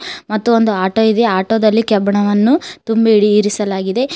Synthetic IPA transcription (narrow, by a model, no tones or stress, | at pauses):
mɐt̪ːuond̪uaːʈoːid̪e̞aːʈoːd̪ɐlːikɛbɐɳɐʋɐnːut̪umbiɽiːɾisɐlaːɡid̪e̞